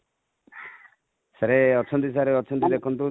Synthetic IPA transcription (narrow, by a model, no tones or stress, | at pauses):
saɾeɔt͡ʃʰɔnt̪is̬aɾeɔt͡ʃʰɔnt̪id̪ekʰɔnt̪u